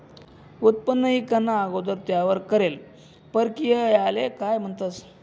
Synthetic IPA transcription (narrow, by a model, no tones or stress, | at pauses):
ut̪̚pənːəɦiːkənːaːɡod̪əɾt̪jaʋəɾkəɾel | pəɾkijəjalekajm̤əɳt̪ət͡s